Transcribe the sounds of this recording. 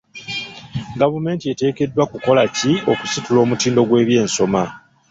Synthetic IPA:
ɡavume̞ːntiete̞ːke̞dːwakuko̞lacioku̥situlo̞ːmutiːndo̞ɡwe̞ːβje̞ːnso̞ma

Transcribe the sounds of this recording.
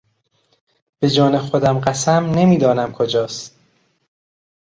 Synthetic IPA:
b̥e̞d͡ʒɒːnexod̪æmɢæsæmne̞miːd̪ɒːnæmkʰod͡ʒɒːst̪

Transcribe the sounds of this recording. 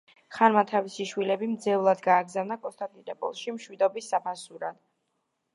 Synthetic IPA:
χanmat̪ʰavisiʃwilɛbimd̪zɛvlˠad̪ɡaːɡzavnakʼɔst̪ʼant̪ʼiɾɛpʼɔ̰lˠʃimʃwid̪ɔbisːapʰasuɾad̪̥

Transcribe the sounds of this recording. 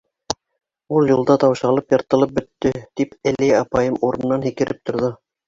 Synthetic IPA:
ulˠjulˠd̪ɑt̪ɑwʃɑlˠɤpjɑɾt̪ɤ̆lˠɤp̚bɵ̆t̪ːɘt̪ipælæɑpɑjɤmuɾɤ̆nːɑnhikɘ̆ɾɘp̚t̪ŏɾðɤ

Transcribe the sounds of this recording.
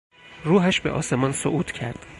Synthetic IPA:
ruːɦæʃbe̞̰ʔɒ̰ːse̞mɒːnsoʔuːt̪ʰcʰæ̰ɾd̪̥

